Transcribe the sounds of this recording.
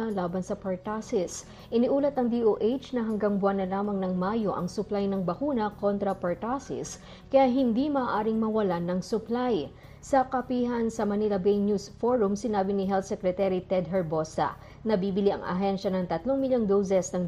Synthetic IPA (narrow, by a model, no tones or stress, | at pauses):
ɐlaːbɐnsɐpɐɹt̪asɪs | ʔɪnɪʔuːlɐt̪nɐŋd̪iʔoʔejt͡ʃnɐɦɐŋɡaŋbʊanɐlaːmɐŋnɐŋmaːjo̞ʔɐ̰ŋsʊplajnɐŋbɐkuːnɐko̞nt̪ɾɐpɐɹt̪asɪ̰s | kɐjaɦɪnd̪imɐːʔaːɾɪŋmɐwɐlanɐŋsʊplaj | sɐkɐpiːɦɐnsɐmɐnilɐbejnjusfoɹʊmsɪnaːbɪnɪɦɛlt̪sɛkɾɛt̪ɛɾit̪ɛd̪ɦɛɹbo̞sɐ̰ | nɐbiːbɪliʔɐ̰ŋʔɐ̰ɦɛnʃɐnɐŋt̪ɐt̪loŋmɪljoŋd̪ows̬ɛsnɐŋ